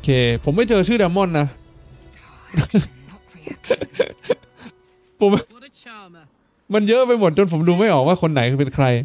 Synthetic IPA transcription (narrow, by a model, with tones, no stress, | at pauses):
ʔkʰeː˧pʰo˩˦mːa˥˩jt͡ɕɤː˧t͡ɕʰɯː˥˩dɛː˧mɔ˥˩nːa˦˥ | pʰo˩˦m | ma˧njɤ˦˥ʔpa˧jmo˨˩t̪̚t͡ɕo˧npʰo˩˦mduː˧ma˥˩jʔɔː˨˩waː˥˩kʰo˧nːa˩˦jpe˧nkʰɾa˧j